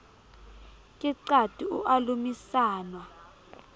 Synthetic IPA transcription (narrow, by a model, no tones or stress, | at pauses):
kʼiǀatʼiuʔalumisaːnwa